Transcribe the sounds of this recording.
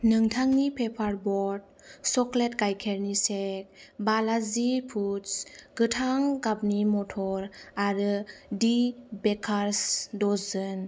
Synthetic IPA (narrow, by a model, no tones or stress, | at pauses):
nɯŋtʰaŋnipʰepʰaɾbɔɾd̚ | sɔkletɡajkʰeɾnisek̚balazipʰutsɡɯtʰaŋɡab̚nimɔtʰɔɾaɾɯdibekʰaɾsdɔzɯn